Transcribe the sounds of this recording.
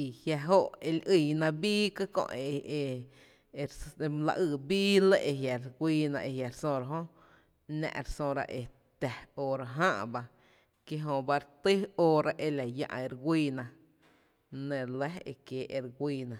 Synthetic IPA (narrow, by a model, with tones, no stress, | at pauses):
i˨hja˧ɦo˦ʔe˧lʔi˧˨nã˧biː˦kɨ˦kõ̰˧˨ʔe˨e˧ | ɾm˧la̰˧ʔɨː˧˨biː˦lə˦˧ʔe˧ɦja˨ɾɡʷiː˧nã̰˧ʔe˧ja˨ɾsõ˧ɾa˧ɦõ˦ | nã̰˧ʔɾsõ˧ɾa̰˧ʔe˧ | t̪æ˨oː˧ɾa˧ɦã˦ʔba˧ | kje˦ɦõ˧ba˧ɾt̪ɨ˦oː˦˧ɾa˧ʔe˧la˨jã̰˧ʔe˧ɾɡʷiː˧nã˧ | nẽ˧˨lə˦ḛ˧kjeː˨˦ʔe˧ɾɡʷiː˧nã˨